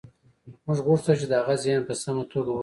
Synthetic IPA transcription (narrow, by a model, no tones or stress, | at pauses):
mʊʐɣʊʂt̪ət͡ʃed̪əhaɣazjɑnpəsamot̪ʰoɡ